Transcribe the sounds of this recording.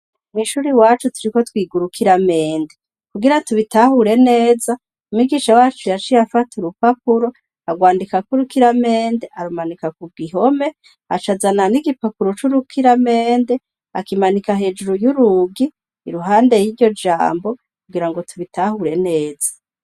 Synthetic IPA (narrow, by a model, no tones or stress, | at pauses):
umiʃuɾiwaːt͡ʃutuɾiko̞twiːɡuɾukʰiɾameːnde | kuɡiɾatuβitahuɾe̞ne̞ːza | umiɡiʃawaːt͡ʃujat͡ʃijafatuɾupapuɾo | aɡwaːndikakuɾukiɾame̞ːndeʔaɾumanikakuɡiɦo̞me̞ | at͡ʃazananiɡipapuɾot͡ʃuɾukʰiɾame̞ːnde | akimanikaɦe̞d͡ʒuɾujuɾuɡiː | ɾuɦaːnde̞jiɾɟo̞d͡ʒa̰ːmbo̞ | kuɡiɾaŋɡo̞tʰuβitahuɾe̞ne̞ːz̥ḁ